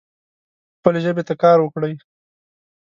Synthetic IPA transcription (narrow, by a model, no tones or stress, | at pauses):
xpəleʒəbet̪akɑːɾwəkɽəj